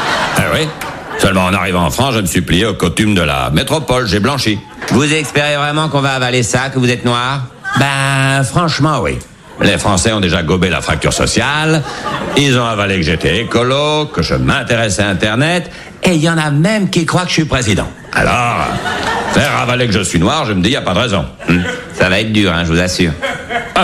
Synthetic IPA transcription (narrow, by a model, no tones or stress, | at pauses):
ɛ̰wi | sœlmɑ̃ːna̰ʁivɑ̃ɑ̰̃fχɑ̃sʒəməsɥiplijeokɔt̪ymd̪əla̰met̪χɔpɔlʒɛblɑ̃ʃi | vuzɛspeʁevʁɛmɑ̃kɔ̃vaːvalesakəvuzɛt̪nwaʁbafχɑ̃ʃmɑ̃wḭ | lefχɑ̃sɛɔ̃d̪eʒaɡɔbela̰fχak̚t̪y̰ʁsɔ̰sjalilzɔ̃avalekəʒet̪ɛekɔlokəʒə̰mɛ̃t̪eʁɛsɛaɛ̃t̪ɛʁnɛt̪ | ejɑ̃namɛmkikχwakə̥ʃipχezid̪ɑ̰̃ | a̰lɔʁ̰fɛʁːavalekəʒəsɥinwaʁʒəməd̪ijapad̪əʁɛzɔ̰̃ | m̩ | savaɛt̪χd̪yːʁɛ̃ʒəvuzasyːʁ